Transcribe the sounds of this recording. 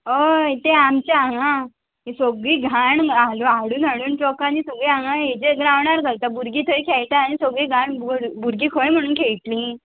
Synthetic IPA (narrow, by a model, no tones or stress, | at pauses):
oit̪eamt͡ɕaaɦã | ɦesoɡɭiːɡʱaɳaluaɽuːnaɽuːnt͡ɕɔkanisoɡɭiaɦãɦed͡ʑeɡɾaʋɳaɾɡalt̪abuɾɡiːt̪ʰəikʰaɭʈ̪aanisoɡɭiːɡʱaɳbuɾɡiːkʰoɭẽm̤əɽ̃uːnkʰeɭʈ̪lĩ